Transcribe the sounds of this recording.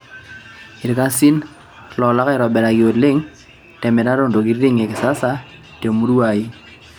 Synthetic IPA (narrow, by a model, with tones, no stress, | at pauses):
i˨ɾi˨ka˦si˦n | lɔ˨la˦ka˦ɪ˨ɾɔ˨bɛ˨ɾa˨ki˨o˨lɪ˦ŋ | tɛ˨mɛ˨ɾa˦ɾo˦˨ndo˨k̬i˦ɾɾɪ˦ŋe˨kɪ˨sa˦sa˦ | te˨mu˦ɾu˦a˨i˦